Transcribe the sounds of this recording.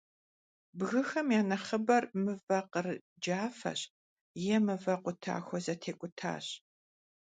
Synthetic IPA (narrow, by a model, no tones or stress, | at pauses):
bɣɨxɐmjaːnɐχəbɐrmɨvɐqər | d͡ʒaːfɐ̰ɕ | jɛmɨvɐqʷʊtʰa̰ːxʷɔzɐtʰeːkʷʼʊtʰa̰ːɕ